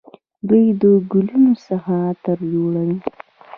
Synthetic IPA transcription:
d̪əjd̪əɡʊlunosaxat̪əɾd͡ʒoɽawi

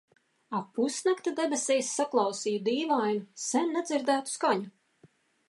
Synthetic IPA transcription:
apusnʲakt̪ad̪ebesɛjsːaklˠɑwsiːjud̪iːvajnusɛnːɛd̪ziɾd̪æːt̪u̥skaɲu

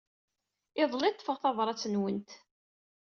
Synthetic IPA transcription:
ɪðˤlit̪ːˤəfəʁθɑvɾˤɑt͡sːənwənt̪

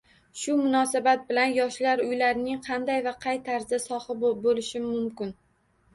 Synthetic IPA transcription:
ʃʊmʊnɒsabat̪̚bɪlanjɒʃlaɾʊjlaɾɪnɪŋqʰɑnd̪ajvaqʰɑjt̪ʰaɾzɪsɒhɨbolɪʃɪːʊmkʲɪn

